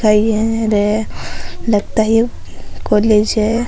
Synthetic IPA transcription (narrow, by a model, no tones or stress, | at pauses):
aiɦɛ̃ɾe | ləɡt̪aɦi | koːleːd͡ʒɦɛ